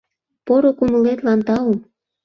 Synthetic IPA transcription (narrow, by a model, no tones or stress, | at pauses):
poɾokuməlet̪lɑnt̪ɑom